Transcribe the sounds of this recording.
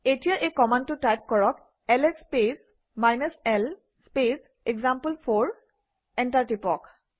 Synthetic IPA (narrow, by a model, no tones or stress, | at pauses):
etijaʔekɔmantʊtajp̚kɔɹɔk | ɛlɛspes | majnɔsɛl | spes | eɡzampəlpʰɔɹ | ɛntaɹtipɔk